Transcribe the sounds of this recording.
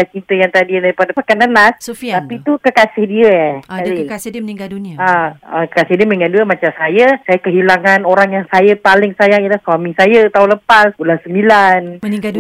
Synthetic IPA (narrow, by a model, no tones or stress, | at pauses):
at͡ʃint̪əjaŋt̪adidaɾipadapakanənasapit̪ukəkasɪhdiəai | aakkəkasɪhdiəməĩŋanduəmat͡ʃamsajəsajakəɦilaŋanoɾaŋjaŋsajapalɪŋsajaŋijəlahswamisajət̪auləpasbulansəmbilan